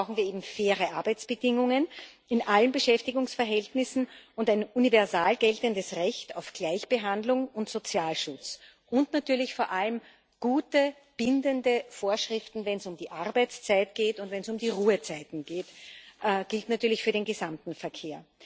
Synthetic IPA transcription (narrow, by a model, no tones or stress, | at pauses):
ʁaʊxn̩viːɐeːbm̩feːʁəʔaɐbæɪt͡sb̥ədɪŋʊŋən | ɪnʔalənbəʃɛftɪɡʊŋsfɛɐɦɛltnɪsn̩ʊndæɪnunivɛɐzaːlɡ̥ɛltəndəsʁɛçtaʊfɡ̥læɪçb̥əɦandlʊŋʊntz̥ot͡sjaːlʃʊt͡s | ʔʊntnatyːɐlɪçfoːɐʔaləm | ɡ̥uːtə | b̥ɪndəndəfoːɐʃʁ̥ɪftn̩vɛnsʊmdiːʔaɐbæɪt͡st͡saɪtɡ̥eːtʊntvɛnsʊmdiːʁuːət͡saɪtn̩ɡ̥eːtʔɡ̥ɪltnatyːɐlɪçfyɐɾeːnɡəzamtn̩fɛɐkʰeːɐ